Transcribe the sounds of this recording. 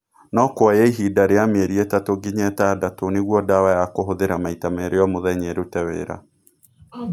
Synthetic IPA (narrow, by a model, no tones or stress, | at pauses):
nɔkwajɛiɦidaɾejamɛɾiɛtatoɡiɲɛtadatoneɣwɔdawajakoɦoðeɾamaitameɾeɔmoðɛɲɛɾotɛwɛ̰ɾa̰